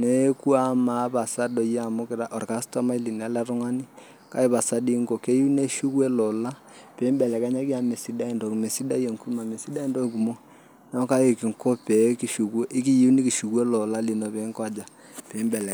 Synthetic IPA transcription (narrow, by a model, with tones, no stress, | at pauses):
ne˦ku˦a˦ma˨ba˨sa˦dɔ˨ja˨mʊ˦kɪ˨ɾa˦ʔɔ˨rka˦stɔ˦ma˦i˦li˨n˨a˨˦lɛ˦ɾʊ˦ŋa˦ni˦ | ka˦e˦pa˨sa˦di˦ŋɡo˨ke˦ji˦ne˦ʃu˦kwe˦lɔ˨la˦ | pe˨˦mbɛ˨lɛ˨ka˦ɲa˦ki˦a˨me˨si˦da˦i˨ndɔ˨kme˨si˦da˦je˨ŋku˦ma˨me˨si˦da˦i˦ndo˦ku˨mo˦ | nɔ˦ka˦e˨ki˨ŋko˦pe˨˦ki˨ʃu˨ke˦ʔɪ˦ki˦ji˦ni˦ki˨ʃu˨kwe˦lɔ˨la˦li˨no˨pe˨˦ŋkwa˦d͡ʒa˨ | pe˨˦mbɛ˨lɛ˨